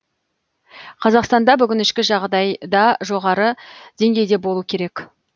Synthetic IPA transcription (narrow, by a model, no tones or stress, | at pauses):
qʰɑzɑqst̪ɑnd̪ɑbʏɡʲɪnɪʃkʲɪʒɑʁd̪ɑjd̪ɑʒo̞ʁɑɾəd̪̥e̞ŋɡʲe̞jd̪e̞bo̞lˠuəkʲʰe̞ɾe̞k